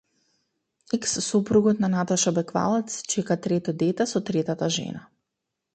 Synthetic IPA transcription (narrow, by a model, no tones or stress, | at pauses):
ɛksːupɾuɡɔt̪nanat̪aʃabɛkva̰lˠɛt̪st͡ʃɛkat̪ɾɛt̪ɔd̪ɛt̪ɛsɔt̪ɾɛt̪at̪aʒɛ̰na